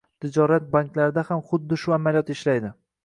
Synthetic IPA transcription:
t̪ʰɪd͡ʒɒɾat̪̚baŋklaɾɪd̪ahamχʊd̪ːɪʃʊamalijɒt̪ɪʃlajd̪ɪ

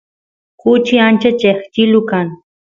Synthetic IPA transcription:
kʊt͡ʃiant͡ʃat͡ʃeχt͡ʃilʊkaŋ

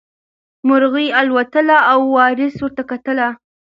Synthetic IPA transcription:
mʊɾɣialwat̪əlaːwːɑɾɪswəɾt̪akat̪əla

